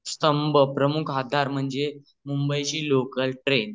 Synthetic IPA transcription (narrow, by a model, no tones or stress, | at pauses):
st̪əmbʱəpɾəmukʰɦad̪ʱaɾm̤əɳd͡ze | mumbəjɕiːlokəlʈɾen